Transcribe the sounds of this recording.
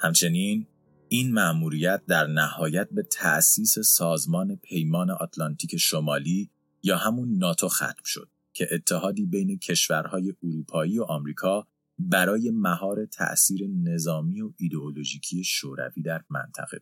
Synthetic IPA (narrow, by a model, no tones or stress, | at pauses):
hæmt͡ʃʰe̞niːn | iːnmæʔmuːɾijæt̪̚d̪æɾnæhɒːjæt̪̚be̞t̪ʰæ̰ʔsiːse̞sɒːzmɒːne̞pʰe̞jmɒːneʔɒt̪ʰlɒnt̪ʰiːcʰe̞ʃomɒːliː | jɒːhæmunːɒːt̪ʰo̞xæ̰t̪m̥ʃo̞̰d̪̥ | cʰe̞ʔet̪ʰːeɦɒːd̪iːbe̞jne̞cʰe̞ʃvæɾhɒːje̞ʔuɾuːpʰɒːiːo̞ʔɒːmɾiːkʰɒː | bæɾɒːje̞mæɦɒːɾe̞t̪ʰæ̰ʔsiːɾe̞ne̞zɒːmiːo̞id̪e̞olo̞ʒiːcʰije̞ʃoːɾæ̰viːd̪æɾmæ̰nt̪ʰæ̰ɣe̞̰